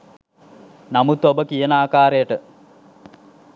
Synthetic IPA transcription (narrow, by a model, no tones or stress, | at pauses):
nɐmut̪obɐkijɐnaːkaːɾeːʈɨ